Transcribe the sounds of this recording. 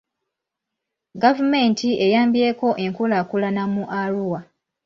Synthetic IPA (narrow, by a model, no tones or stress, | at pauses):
ɡavume̞ntʰiʔe̞jaːmbje̞ːko̞ʔe̞ŋkulakulanamuʔaluwa